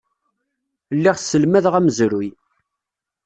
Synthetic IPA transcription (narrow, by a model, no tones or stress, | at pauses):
lːiʁsəlmæðʁæməzɾuj